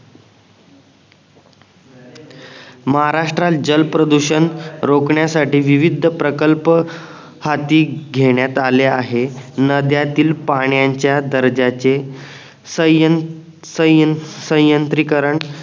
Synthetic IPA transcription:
məɦaɾaʂʈɾat̪d͡ʑəlpɾəd̪uɕənɾokɳjasaʈiːʋiʋid̪ʱəpɾəkəlpə | hat̪iːɡʱeɳjat̪aleaɦenəd̪jat̪iːlpaɳ̃jaɲt͡ɕjad̪əɾd͡ʑat͡se | s | səsə̃jjənt̪ɾikəɾəɳ

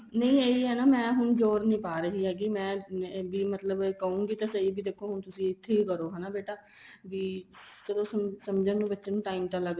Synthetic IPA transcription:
nə̃ĩːeːiɦɛːnaːmɛ̃ːɦʊɳd͡ʒoːɾnĩːpaːɾəɦiːɦɛːɡimɛ̃ːbiːmət̪ləbːkəũːɡiːt̪aːsəiːbiːd̪eːkʰoːɦʊɳt̪ʊsĩːɪt̪ʰːeːiːkəɾoːɦɛːnaːbeːʈaː | ʋiːsəd̪õːsəsəmd͡ʒãːnũːbətːʃeːnũːʈaːimt̪aːləɡ

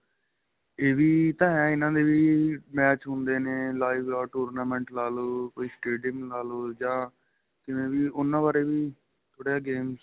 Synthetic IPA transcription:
eːʋiːt̪ãːɦɛːɪnãːd̪eːʋiːmɛːt͡ʃɦʊ̃nd̪eːneːlaːɪʋaːʈoːɾnaːmɛ̃ːɳʈlaːloːkoːiːsʈeːɖiəmlaːloːd͡ʒãː | kɪʋẽːʋiːʔʊnːãːbaːɾeːʋiː | t̪ʰoːɽeːaːɡeːm

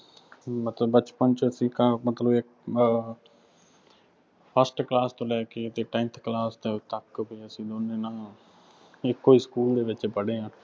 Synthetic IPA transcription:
mət̪ləbət͡ʃpənt͡ʃəəsĩːkaːmət̪ləbek | pʰəsʈklaːst̪õːlɛːket̪eːʈɛ̃ːnt̪ʰklaːst̪et̪əkːbʱiəsĩːloːneːnaː | ɪkːoːiskuːld̪eːʋɪt͡ʃpəɽeːɦãː

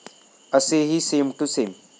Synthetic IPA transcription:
əseɦisẽːmʈusẽːm

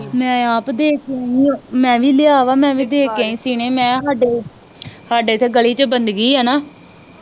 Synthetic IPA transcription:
mɛ̃ːaːpd̪eːkaːĩːmɛ̃ːʋiːlɪjaːʋaːmɛ̃ːʋiːd̪eːkãːĩːsiːɽ̃eːmɛ̃ːɦaːɖeː | haːɖeːt̪ʰeːɡəliːt͡ʃəbənd̪ɡiːɦɛːnaː

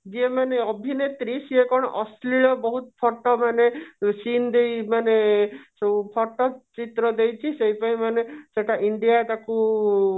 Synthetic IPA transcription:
d͡ʒemaneɔbʱinet̪ɾisiekɔɽ̃ɔ̰ʔɔsliɭɔbɔɦut̪pʰɔɾʈɔmanesind̪ejmanesepʰɔʈɔt͡ʃit̪ɾɔd̪ejt͡ʃʰisejpaĩmaneseʈaʔiɳɖijat̪aku

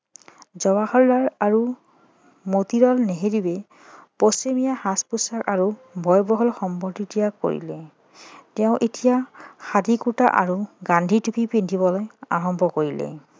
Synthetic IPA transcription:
zɔbaxɔɹlaɹaɹu | motiɹɔlneɦeɹibɛ | posemijahaspusakaɹubʱɔjbɔɦɔlxɔmpɔtitijako̰ɹḭlɛ | tɛʊ̃ʔetijaxadʱikuta̰ʔa̰ɹuɡandʱitukʰipindʱibɔlɔja̰ɹɔmbʱɔkoɹilɛ̰

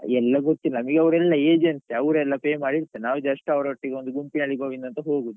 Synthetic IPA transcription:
ɛlːɐɡot̪ːilːɐnɐmɐɡeɐʋɾɛlːɐeːd͡ʒensiɐʋɾɛlːɐpeːmaːɽiɽt̪ːɐnaːʋud͡ʒɐʂʈːɐʋɐɾɐʋɐʈːiɡeond̪uɡumpinɐɭiɡoːʋind̪ɐnt̪ɐɦoːɡud̪u

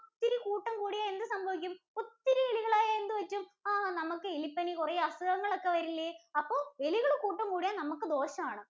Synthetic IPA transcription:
t̪ːiɾukuːʈːɐmkuːɽijaːend̪ɨsɐmbʱɐʋikʲːumot̪ːiɾɐeɭiɣɐɭaːjaend̪ɨʋɐt͡ɕːumaːnɐmɐkːɨilipːɐnikurɐjɐsɐðɐŋːɐɭokːeʋɐɾilːɐɐpːo̞ːʋe̞liɣɐɭekːuːʈːɐmkuːɽijaːnɐmukːɨd̪o̞ːɕɐmaːɳɨ

